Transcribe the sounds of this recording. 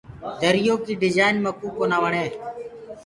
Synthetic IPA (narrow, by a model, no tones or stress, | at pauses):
d̪əɾɪjoːkiːɖɪd͡ʒaːɪnməkuːkoːnaːʋəɳeː